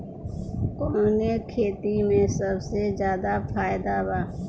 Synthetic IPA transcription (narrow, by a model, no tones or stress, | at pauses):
koːneːkʰeːt̪imẽsəbsezjaːd̪aːfʰaːjd̪aːbaː